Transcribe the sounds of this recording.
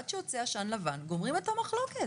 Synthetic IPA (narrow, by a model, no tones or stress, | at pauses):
ad̪ʃeot͡seaʃanlavanɡomʁimet̪amaχlo̞ke̞